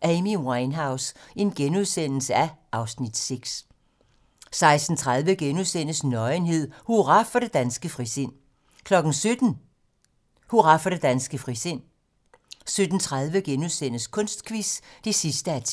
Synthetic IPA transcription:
ʔɛmiwɑɪnɦɑ̈ʊse̝nɡ̥enuð̞ˠsen̰l̩səæʔɑ̈ʊsnid̥seɡ̥s | sɑ̈ɪsd̥n̩t͡sʰʁað̞ˠʋəɡ̥enuðˠsen̰əsnɒ̽ɪnɦe̝ð̞̰ˠhuʁɑ̈fɒɾ̥e̝d̥ænsɡ̥əfʁisen̰ | kʰlɒ̽ɡ̥n̩sød̥n̩ | huʁɑ̈fɒɾ̥e̝d̥ænsɡ̥əfʁisen̰ | sød̥n̩t͡sʰʁað̞ˠʋəɡ̥enuð̞ˠsen̰əskʰɔ̽nsd̥kʰʋisd̥e̝sisd̥əæt͡sʰ

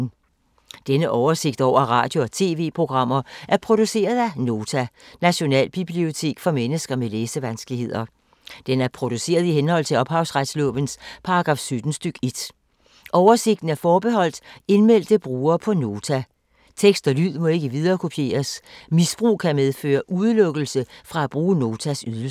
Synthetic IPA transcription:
d̥enəʔɒʊɐse̝ɡ̥̚d̥ɒʊ̰ɐʁɑ̈ːd̥jo̝ɒ̽t͡sʰe̝̰ːʋe̝̰ːpʰʁo̝ɡ̥ʁɑ̈m̰ɐʔæɐpʰʁo̝d̥use̝̰ːɐð̞ˠæno̝ːt͡sʰænæɕo̝nɛ̰ːlb̥ib̥lio̝t͡sʰe̝̰ːɡ̥fɒ̽menəsɡ̥ɐmeleːsəʋænsɡ̥əlihe̝ð̞̰ˠɐ | d̥enæɐpʰʁo̝d̥use̝̰ːɐð̞̩ˠihenhɒ̽l̰t͡sʰe̝lɒ̽b̥hɑ̈ʊsʁad̥slɔ̰ːʋənspʰɑ̈ɑɡ̥ʁɑ̈ːfsød̥n̩sd̥yɡ̥e̝d̥ | ʔɒʊɐse̝ɡ̥d̥n̩æɐfɒːb̥e̝ɦɒ̽l̰d̥e̝nmel̰d̥əb̥ʁuːɐːpʰɒ̽no̝ːt͡sʰæ | t͡sʰeɡ̥sd̥ɒ̽lyð̰ˠmɒ̽e̝ɡ̥əʋið̞ˠɐːkʰo̝pʰje̝̰ːɐsmisb̥ʁṵːkʰæmeð̞ˠfø̰ːɐʔuð̞ˠəlɔ̽ɡ̥l̩səfʁɑ̈æb̥ʁuːəno̝ːt͡sʰæsyðˠ

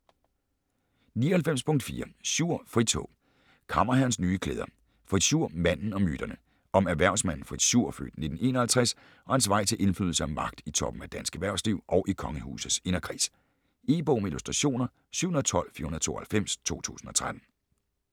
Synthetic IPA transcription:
niːɐhælfem̰spʰɔ̽ŋ̰d̥fḭːɐsuɐ̰fʁid̥t͡sʰɔ̰ | kʰɑ̈mɐɦæɐnsnyːkʰlḛːðˠɐ | fʁid̥ɕuɐ̰mæn̰n̩ɒ̽myd̥ɐnə | ɒ̽mæɐʋæɐ̰ʊsmæn̰n̩fʁid̥ɕuɐ̰fø̰ːd̥ne̝d̥n̩e̝̰ːnɐhælt͡sʰʁɛs | ɒ̽hænsʋɑ̈ɪ̰t͡sʰe̝lʔe̝nflyð̰ˠl̩səæmɑ̈ɡ̥̚d̥it͡sʰɒ̽b̥m̩æd̥ænsɡ̥æʋæɐʊsliʊ̰ʔɒʊʔikʰɒ̽ŋəhṵːsð̩ˠse̝nɐkʰʁḭːs | e̝b̥oʊmeilusd̥ʁɑɕo̝̰ːnɐ | syʊhnð̩ˠt͡sʰɒ̽l̰fḭɐunðˠt͡sʰo̝̰ːɐhælfem̰st͡sʰo̝̰ːt͡sʰṵːsn̩ɒ̽t͡sʰʁad̥n̩

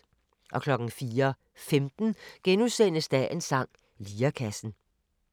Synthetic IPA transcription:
ʔɒ̽kʰlɒ̽ɡ̥n̩fiːɐ | femd̥n̩ɡ̥enusen̰əsd̥æʔe̝nsɑ̈ŋ̰ | liːɐkʰæsn̩

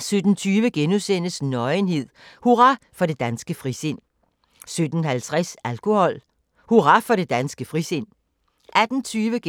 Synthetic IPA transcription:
sød̥n̩t͡sʰyːʋəɡ̥enusen̰əsnɒ̽ɪnɦe̝ð̞̰ˠhuʁɑfɒ̽ɾe̝d̥ænsɡ̥əfʁise̝n̰ | sød̥n̩hælt͡sʰʁɛsælkʰo̝hɒ̽l̰ | huʁɑ̈fɒ̽ɾe̝d̥ænsɡ̥əfʁise̝n̰ | ʔæd̥n̩t͡sʰyːʋəɡ

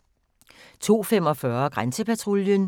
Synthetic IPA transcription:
t͡sʰo̝̰ːfem̰ɒ̽fɶɐɡ̥ʁansəpæt͡sʰʁoljən

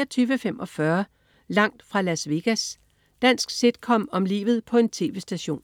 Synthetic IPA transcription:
ɐt͡sʰyːʋəfemʔɒ̽fɶɐ | lɑ̈ŋ̰d̥fʁɑ̈læsʋe̝ɡ̥æs | d̥æn̰sɡ̥se̝d̥kʰɒ̽mɒ̽mlḭːʋð̞̩ˠpʰɒ̽e̝nt͡sʰe̝̰ːʋe̝sd̥æɕo̝̰ːn

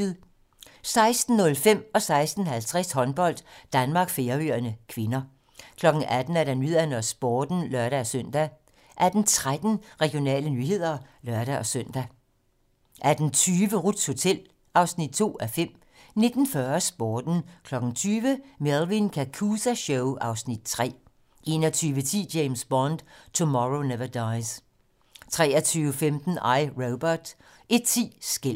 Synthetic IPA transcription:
ðˠ | sɑ̈ɪsd̥n̩ːɔ̽lfem̰ɒ̽sɑ̈ɪsd̥n̩hælt͡sʰʁɛshɒ̽nb̥ɒ̽l̰d̥d̥ænmɑ̈ːɡ̥fe̝ɐyɐnəkʰʋe̝nɐ | kʰlɒ̽ɡ̥n̩ʔæd̥n̩æɐɾænyð̰ˠænɒsb̥ɒːd̥n̩lɶɐɾæɒsøn̰d̥æ | ʔæd̥n̩t͡sʰʁad̥n̩ʁɛɡ̥ijo̝nɛ̰ːlənyːhe̝ð̰ˠɐlɶɐɾ̥æʔɒ̽søn̰d̥æ | ʔæɐd̥n̩t͡sʰyːʋəʁud̥sho̝t͡sʰel̰ | ʔɑ̈ʊsnid̥̚t͡sʰo̝̰ːæfem̰ | ne̝d̥n̩fɶɐsb̥oːd̥n̩kʰlɒ̽ɡ̥n̩t͡sʰyːʋəmeðlˠʋinkʰækʰuːsæɕoʊʔɑ̈ʊsnid̥̚t͡sʰʁɛ̰ː | ʔe̝̰nɒt͡sʰyːʋət͡sʰḭːd̥jeɪmsb̥ɒnd̥t͡sʰumɒʁoneʋɐd̥ɑ̈ɪs | t͡sʰʁɛ̰ːɐt͡sʰyːʊəfemd̥n̩ɑ̈ɪʁoʊb̥ɐd̥ | ʔe̝d̥̚t͡sʰḭːsɡ̥el̰

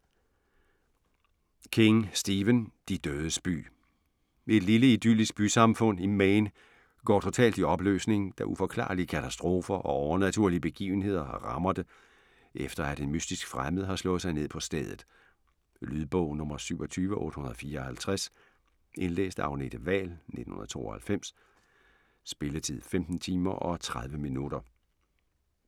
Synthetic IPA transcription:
kʰeŋsd̥iːʋənd̥id̥øːðˠəsb̥y̰ː | e̝d̥liləid̥ylisɡ̥̚b̥ysɑ̈mfɔ̽n̰imeɪn | ɡ̥ɒ̰ːt͡sʰo̝t͡sʰɛ̰ːld̥iɒ̽b̥lø̰ːsne̝ŋ̩d̥æʔufɒ̽kʰlɑ̰̈ːliəkʰæt͡sʰæsd̥ʁo̝ːfɐʔɒ̽ɒʊɐnæt͡sʰuɐ̰liəb̥e̝ɡ̥ḭːʊn̩he̝ð̞̰ˠɐhɑ̈ʁɑ̈mɐðˠd̥e | ʔefd̥ɐæd̥enmysd̥isɡ̥fʁaməð̩ˠɦɑ̈slɔ̽ːð̩ˠsɑ̈ɪne̝ð̞̰ˠpʰɒ̽sd̥eð̞̰ˠð̩ˠ | lyðˠb̥ɔʊnɔ̽mɐsyʊɒ̽t͡sʰyːʋəʔɔ̽ːɾə̥hunɐð̩ˠfiːɐɒhælt͡sʰʁas | ʔe̝nlḛːsd̥ɑ̈ʊne̝d̥əʋɛ̰ːlnḛd̥n̩hunɐð̩̰ˠt͡sʰo̝̰ːɒhælfem̰s | b̥e̝lət͡sʰið̰ˠfemd̥n̩t͡sʰiːmɐʔɒ̽t͡sʰʁaðˠʋəminud̥ɐ

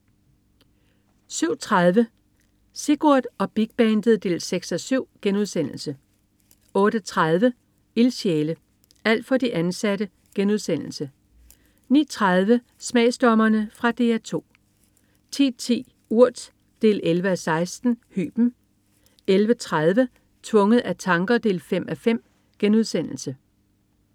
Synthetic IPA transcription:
syʊ̰t͡sʰʁað̞ˠʋə | se̝ɡ̥uɐd̥ɒ̽b̥iɡ̥̚b̥ɛːnd̥ð̩ˠd̥e̝̰ːlseɡ̥sɒsyʊ̰ɡ̥enuðˠsen̰l̩sə | ɔ̽ːɾ̥ət͡sʰʁað̞ˠʋə | ilɕjeːlə | æl̰d̥fɒ̽d̥iʔænsæɾ̥ə | ɡ̥enuð̞ˠsen̰l̩sə | nḭːt͡sʰʁað̞ˠʋə | smɛ̰ɪsd̥ɒmɐnəfʁɑ̈d̥e̝̰æɐt͡sʰo̝̰ː | t͡sʰḭːt͡sʰḭː | uɐ̰d̥ | d̥e̝̰ːlelʋəæsɑ̈ɪsd̥n̩hy̰ːb̥n̩ | elʋət͡sʰʁað̞ˠʋə | t͡sʰʋɔ̽ŋəð̞̩ˠæt͡sʰɑ̈ŋɡ̥ɐd̥e̝̰ːlfem̰ʔæfem̰ | ɡ̥enuðˠsen̰l̩sə

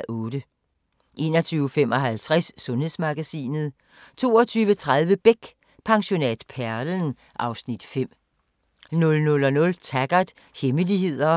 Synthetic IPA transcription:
ɔ̽ːd̥ə | ʔe̝ːnɒt͡sʰyːʊəfem̰ʔɒɦælt͡sʰʁasːɔ̽nhe̝ð̰ˠsmɑ̈ɡ̥æsḭːnð̞̩ˠ | t͡sʰo̝̰ːɒt͡sʰyːʋət͡sʰʁað̞ˠʋəb̥eɡ̥ | pʰɑ̈ŋɕo̝nɛd̥pʰæɐln | ʔɑ̈ʊsnid̥fem̰ | nɔ̽lnɔ̽lɒ̽nɔ̽lt͡sʰæɡ̥ɐd̥ | heməliɦe̝ð̞̰ˠɐ

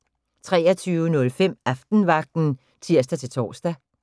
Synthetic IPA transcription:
t͡sʰʁɛːɐt͡sʰyːʊənɔ̽lfem̰æfd̥n̩ʋɑ̈ɡ̥̚d̥n̩ | t͡sʰiɐ̰sd̥æt͡sʰe̝lt͡sʰɒ̰ːsd̥æ

